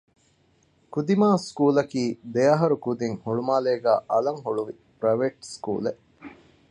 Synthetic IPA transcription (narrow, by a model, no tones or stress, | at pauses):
kud̪imaːskuːlɐkiːd̪ejɐɦɐɾukud̪iŋhuɭumaːleːɡæ̰ːʔɐlɐŋɦuɭuʋi | pɾɐʋeːʈskṵːleʔ